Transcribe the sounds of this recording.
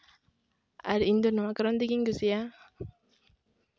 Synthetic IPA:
a̰ɾind̪onumakɾɔnd̪ikiŋɡusia

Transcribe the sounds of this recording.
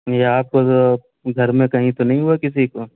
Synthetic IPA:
jeaːp̚ko | ɡʱɐɾmẽkɐɦĩt̪onɐɦĩɦuakɪsiko

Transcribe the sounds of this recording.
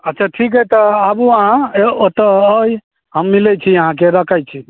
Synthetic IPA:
ətːt͡ʃʰaʈʰik̬ɦəjt̪ɔabuəɦãot̪əəj | ɦəmːilɛt͡ʃʰiəɦãk̬eɾəkʰajt͡ʃʰi

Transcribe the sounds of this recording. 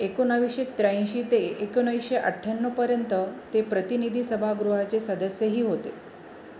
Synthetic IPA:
ekonəʋiɕet̪ɾaj̃ɕit̪eːkonəjɕeʔə̰ʈʰːjanːəpəɾjənt̪ət̪epɾət̪inid̪ʱisəbʱaɡɾuɦat͡sesəd̪əsjeɦiːɦot̪e

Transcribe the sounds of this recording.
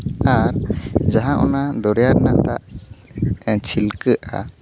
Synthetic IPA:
aɾd͡ʒaɦãʔɔ̰nad̪ɔɾɛjaɾnat̪a̰ʔ | t͡ʃʰilkəʔa̰

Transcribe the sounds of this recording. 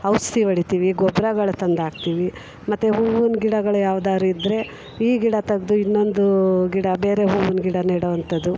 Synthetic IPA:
ɐʋst̪iʋɐɽit̪iːʋiɡɔbɾɐɡɐɭɐt̪ɐnd̪aːɡ̚t̪iːʋi | mɐt̪ːeɦuːʋunɡiɽɐɡɐɭɐjaːʋd̪aːɾuid̪ɾe̞ | iːɡiɽɐt̪ɐɡd̪uinːo̞nd̪uɡiɽɐbe̞ːɾe̞ɦuːʋunɡiɽɐniɽʋɐnt̪ɐd̪u

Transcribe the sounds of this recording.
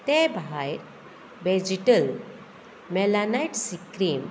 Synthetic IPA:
t̪ẽbʱajɾ | bed͡ʑiʈəl | mɛlanajʈsikɾim

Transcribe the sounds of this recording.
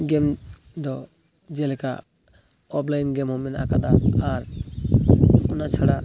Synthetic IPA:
ɡɛm | d̪ɔ | d͡ʒɛlɛka̰ | ɔplajnɡɛmhɔmina̰kad̪aaɾ | unat͡ʃʰaɽa

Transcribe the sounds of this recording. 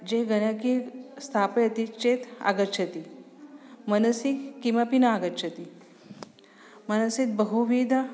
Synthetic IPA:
d͡ʑeɡɐɽ̃akist̪ʰapejɐt̪it͡ʃet̪a̰ɡətːt͡ʃʰɐt̪i | mɐnɐsikːiʋapinaaːɡətːt͡ʃʰɐt̪i | mɐnɐsit̪̚bəɦuʋid̪ʱa

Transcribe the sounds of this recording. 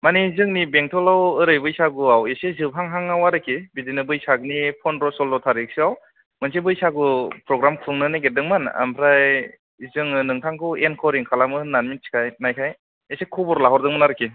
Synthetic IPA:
manizɯŋnibeŋtʰɔlawɯɾɯjbɯjsaɡuawesezɯp̚ɦaŋɦaŋawaɾɯkʰibizinɯbɯjsaɡɯnipʰɔnɾɔsɔlːɔtʰaɾik̚siaw | mɯnsebɯjsaɡupɾɔɡɾamkʰɯŋnɯnajɡedɯŋmana̰mpʰɾaj | zɯŋɯnɯŋtʰaŋkʰɯenkʰɔɾiŋkʰalamɯnanminsi̥kʰajnajkʰaj | esekʰɔbɔɾlaɦɔɾdɯŋmɯnaɾɯkʰi

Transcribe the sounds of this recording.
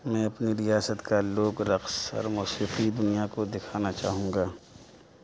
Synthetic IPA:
mɛ̃ːɐpniɾɪjaːsət̪kaloːɡɾɐqsɔ̰ːɾmɔːsiːqid̪ʊnijakod̪ɪkʰaːnat͡ʃaːɦũːɡaː

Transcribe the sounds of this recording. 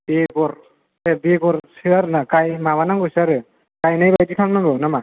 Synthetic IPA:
biɡɔɹ | ɛbiɡɔɹsɯaɾnakajmaβanaŋɡosaɾɯ | kajnajbatikʰalnaɡɯwnama

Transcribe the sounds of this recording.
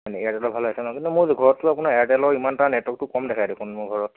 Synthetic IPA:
anɛɛjatɛlɔbʱalasɔnɔkintumʊɹzɡʱɔɹɔtːʊapunaɹɛjatɛlɔɹimantaɹnɛtwɔk̚tʊkɔmdɛkʰajdekʰunmʊɹɡʱɔɹɔt̚

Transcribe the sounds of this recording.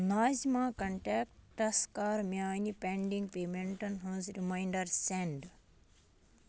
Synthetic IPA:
naːzimãːkɐɳʈaːk̚ʈʈɐskaːɾmʲjaːnipeɳɖiŋɡpeːmeɳʈɐnɦũːnzɾimajɳɖɐɾseɳɖ

